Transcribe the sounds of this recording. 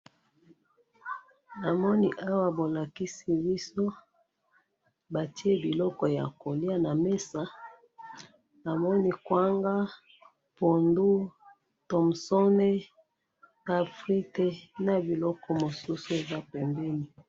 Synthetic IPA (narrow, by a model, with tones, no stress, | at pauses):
na˨mɔ˦ni˦ʔa˦wa˦bo˨la˨ki˦si˦bi˦so˦ | ba˨ti˦e˦bi˨lɔ˦kɔ˨ja̰˨ko˨li˦a˦na˨me˦sa˨ | na˨mɔ˦ni˦kwa˦ŋɡa˦ | po˨ndu˦ | to˨m˨sɔ˦ne˦ | a˨fʁi˦te˦na˨bi˨lɔ˦kɔ˦mo˨su˦su˦e˨za˦pɛ˨mbɛ˦ni˨